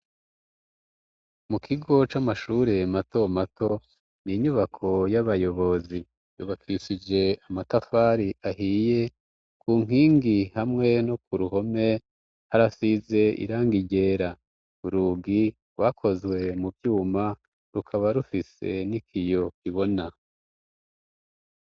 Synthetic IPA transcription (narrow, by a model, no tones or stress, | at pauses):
mukʰiɡo̞t͡ʃamaʃuːɾemato̞mato̞ | niɲuβakʰo̞jaβajo̞βo̞zi | juːβakʰiʃid͡ʒe̞amatafaːɾiʔaɦije̞ | kʰuːŋ̥iːŋɡihamŋe̞nokuɾuɦo̞me̞ | haɾasize̞ḭɾaːŋɡiɟe̞ːɾa | uɾuɡi | ɾwakʰo̞zwe̞mubjuːma | ɾukʰaβaɾufise̞̰nikʰijo̞kiβo̞na